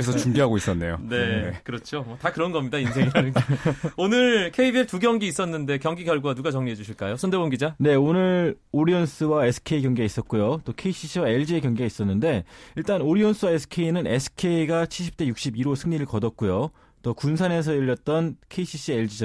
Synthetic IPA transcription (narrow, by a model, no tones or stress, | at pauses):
es̬ʰʌt͡ɕuŋbiɦaɡois͈ʌnːe̞̰jo̰ne̞ekɯɾʌt͡ɕʰomwʌtakɯɾʌnɡʌmɲidainsʰe̞ŋianɯnɡonɯɾkʰe̞ibietuɡjʌŋɡiːs͈ʌnːɯnde̞kjʌŋɡiɡjʌɭɡuwanuɡat͡ɕʌŋɲiɦed͡ʑuɕʰiɭk͈ajosʰʌndebonɡid͡ʑane̞onɯɾ | oɾions͈ʰɯwaesʰɯ̥kʰe̞ikjʌŋɡeɡais͈ʌt̚k͈ujot͈okʰe̞iɕʰiɕ͈ʰiwae̞ɭd͡ʑiekjʌŋɡeɡais͈ʌnːɯnde̞iɭt͈anoɾions͈ʰɯwaesʰɯ̥kʰe̞inɯne̞sʰɯ̥kʰe̞iɡat͡ɕʰiɭɕʰip̚t͈e̞juk̚ɕ͈ibiɾosʰɯŋɲiɾɯɭkʌdʌt̚k͈ujo | t͈ʌkunsʰane̞sʰʌjʌʎːʌt̚t͈ʌnkʰeiɕʰiɕ͈ʰieɭd͡ʑid͡ʑ